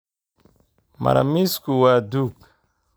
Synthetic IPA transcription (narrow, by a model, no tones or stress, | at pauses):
ma̰ɾa̰miskuwaduk